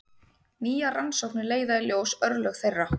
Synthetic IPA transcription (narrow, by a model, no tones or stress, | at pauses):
niːjaransɔwknɪleːjðaɪljoːwsœɾlœɣθejra